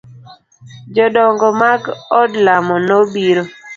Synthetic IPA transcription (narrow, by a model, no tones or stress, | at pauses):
d͡ʒɔdɔŋɡɔmaɡɔdlamɔnobiɾo